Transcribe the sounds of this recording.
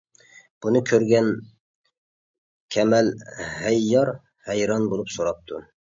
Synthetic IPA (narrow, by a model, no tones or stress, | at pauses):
b̥unɨkʲʰøɾɡʲɛn | kʲʰɛmɛlhɛjːɑɾ | hɛjɾɑnbolˠupsoɾɑp̚t̪ʰu